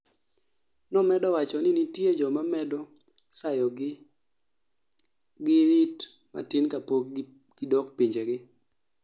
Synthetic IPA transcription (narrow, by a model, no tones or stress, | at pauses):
nɔmɛdɔwat͡ʃɔnɪnɪtjed͡ʒɔmamɛdɔ | sajɔɡ | ɡɪɾit | ma̰tɪnkapo | ɡ̥ɪdɔk̚piɲd͡ʒeɡɪ